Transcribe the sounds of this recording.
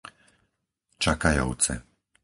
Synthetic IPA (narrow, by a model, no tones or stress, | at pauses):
t͡ʃakajɔ̰ʊt͡sɛ̰